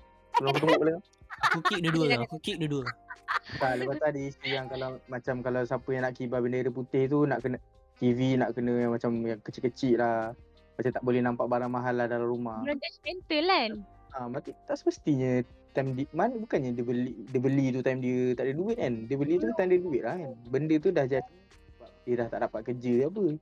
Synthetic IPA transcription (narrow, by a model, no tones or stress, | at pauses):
əlaŋpət̪uŋɡoʔbalaa | kukik̚dəduəakukiʔ̚dəduə | kaləbat̪adist̪ijaŋkalamat͡ʃamkalawsapəjaŋnaʔkibabəndəɾəp̬ut̪ɪht̪unaʔkənə | t̪ivinaʔkənə̃jamat͡ʃamjaŋkət͡ʃɪʔ̚kːət͡ʃɪʔlah | mat͡ʃat̪aʔbolɛhnãmpaʔbaɾaŋmaɦalːahdalamɾumaad͡ʒɛspɛnt̪əlan | amat̪it̪aʔsəməst̪iɲə̃t̪amdimanbukanɲadəbəlidəbəlit̪ut̪amdiət̪aʔdəduɪt̪̚kandiəbəlit̪ut̪amdiəduɪt̪̚lahanbəndət̪̬udahd͡ʒa | əbap̚diədaht̪aʔdapat̪̚kəd͡ʒəap̬ə